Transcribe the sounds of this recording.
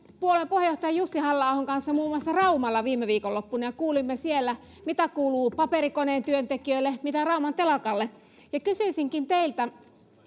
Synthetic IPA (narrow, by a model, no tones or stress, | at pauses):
puolempuhejoht̪ɑjɑjusːihɑlːɑːhoŋkɑnsːɑmuːmˑuɑsːɑrɑumɑlːɑʋiːmːeʋiːkolːopːunɑjɑkuːlimːesielːæ | mit̪ækuːluːpɑpeɾikoneːnt̪yønt̪ekiøilːemit̪ærɑumɑnt̪elɑkɑlːe | jɑkysyisiŋkint̪eilt̪æ